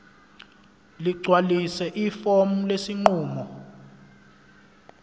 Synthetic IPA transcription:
liɡ͡ǀʱwalisɛʔifomulesiŋ͡ǃuːmɔ

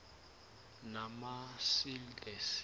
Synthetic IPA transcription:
namasildʼɛs

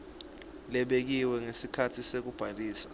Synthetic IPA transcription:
lɛɓek̬iwɛŋesikʰatʰisek̬ub̥ʱaliːsḁ

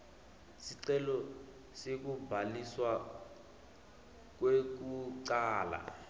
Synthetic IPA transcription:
siǀɛlɔ | sek̬ubʱaliswa | k̬wek̬uǀaːla̰

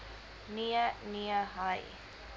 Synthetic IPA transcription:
niəniəɦɐj

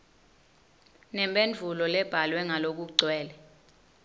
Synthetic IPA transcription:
nɛmbʼend͡ɮʱulɔlɛb̥ʱalwɛŋalok̬uǀʱwɛːlɛ

